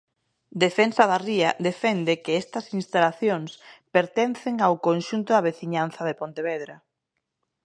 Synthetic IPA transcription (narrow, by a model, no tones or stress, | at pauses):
d̪efɛnsɐðariɐd̪efɛnd̪ɪkɪɛst̪ɐsinst̪alaθjoŋspeɾt̪ɛn̟θɪŋawkonʃunt̪ʊðɐβ̞eθiɲan̟θɐðepont̪eβɛðɾɐ